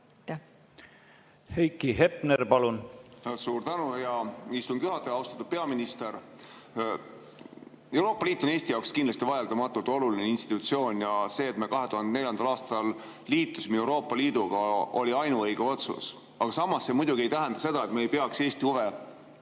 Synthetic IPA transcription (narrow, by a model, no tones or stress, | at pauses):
hejkːiɦepneɾpɑlunsuːɾt̪ænujɑist̪unkjyɦɑt̪ːˑeɑwst̪ɑt̪ud̪̥̚pe̞ɑminist̪e̞ɾ | e̞wɾo̞ːpːɑliːt̪ːˑo̞neːst̪ijɑwkskind̪lɑst̪ivɑjeld̪̥ɑmɑt̪ːˑult̪o̞lulineinst̪i̥t̪ut̪sio̞ːnʲjɑse̞ːt̪mekɑɦe̞t̪uɦɑnd̪ene̞lʲjɑnd̪ɑlɑːst̪ɑlː | iːt̪ːˑusmiewɾo̞ːpːˑɑliːd̪̥uɡ̥ɑo̞̰lʲiɑjnuɤjɡ̥eo̞t̪sṵs | ɑɡ̥ɑsɑmːɑsːe̞mujd̪uɡ̥ie̞jt̪æɦɛnd̪̥ɑse̞d̪̥ɑe̞t̪meːjpeɑkse̞ːst̪iuve